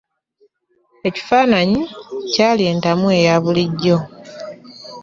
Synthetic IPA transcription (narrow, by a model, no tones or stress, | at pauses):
e̞ci̥faːnaɲicaːlje̞ːntamue̞jaβuliɟːo̞